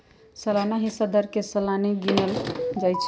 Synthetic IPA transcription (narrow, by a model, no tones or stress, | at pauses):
səlanaɦĩsəd̪ʱəɾkesəlaniɡineld͡ʒajt͡ʃʰ